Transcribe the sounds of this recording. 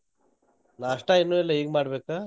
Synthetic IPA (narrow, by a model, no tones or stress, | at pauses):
naːʂʈainːuɛlːɐiːɡmaːɽbeːkaː